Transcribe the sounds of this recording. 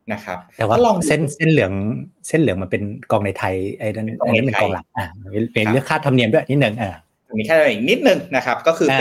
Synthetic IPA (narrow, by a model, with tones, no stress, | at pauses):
na˦˥kʰa˦˥p̪̚ːwaː˥˧˥lɔː˧˩ŋse˥˩nse˥˩nlɯ˩˦əŋse˥˩nlɯ˩˦ŋm˧npe˧nkɔː˧ŋna˧jt̪ʰa˧jʔa˧˩a˥˩nː˧˦˥pe˧kɔː˧ŋla˨˩˦ŋ̚ʔaː˧˩˧miː˧lɯ˥˩əkʰaː˥˩t̪ʰa˧mni˧du˥˩˨ʔa˧ni˦˥t̪̚nɯ˨˩ŋʔaː˧˩ | a˧miː˧kʰa˥˩˧ma˧˩ʔi˨˩ni˦˥t̪̚nɯ˨˩ŋna˦˥kʰa˦˥p̚kɔː˥˩kʰɯː˧˩